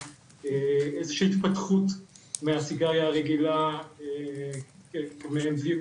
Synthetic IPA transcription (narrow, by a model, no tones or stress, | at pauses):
eezeʃiit̪patχutmeasiɡaʁjaːʁeɡilae | mebli